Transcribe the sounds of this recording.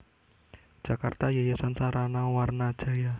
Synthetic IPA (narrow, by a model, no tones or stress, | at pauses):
d͡ʒ̥akart̪ajajasansaɾanawarnḁd͡ʒ̥a̤ja